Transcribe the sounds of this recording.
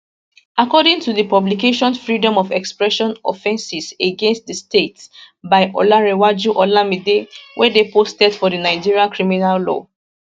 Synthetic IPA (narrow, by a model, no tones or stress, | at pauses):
akɔdɪ̃ŋtuðəpɔblikeʃɔ̃nfɹidɔ̃mɔvɛkspɹɛʃɔ̃nɔfɛ̃nsiseɡẽnstðəstets | baɪʔɔ̰laɹewad͡ʒuʔɔlamidewʔɛdepostɛdfɔdənaɪd͡ʒiɹiãnkɹiminalːɔ̰